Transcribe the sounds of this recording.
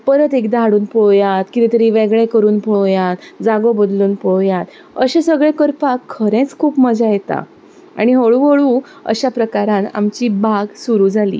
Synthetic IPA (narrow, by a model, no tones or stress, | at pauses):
pəɾət̪ekd̪aɦaɽuːnpojat̪kit̪it̪əɾiʋeɡɭẽkəɾuːnpojat̪d͡zaɡobəd̪luːnpojat̪ | əɕẽsəɡɭẽkəɾpakʰːəɾẽt͡skʰuːpməd͡zajet̪a̰ | a̰ɽ̃iɦoɭuɦoɭũ | ə̰ɕapɾəkaɾãna̰mt͡ɕiːbʱaɡsuɾuːd͡zʱalḭː